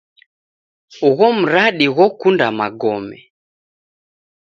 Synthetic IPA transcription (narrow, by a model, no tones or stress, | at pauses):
uɣɔm̩ɾaɗiɣɔkundamaɡɔmɛ